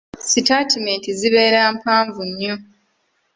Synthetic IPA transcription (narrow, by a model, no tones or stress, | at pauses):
sitatimeːntiziβe̞ːɾaːmpaːɱvuɲːu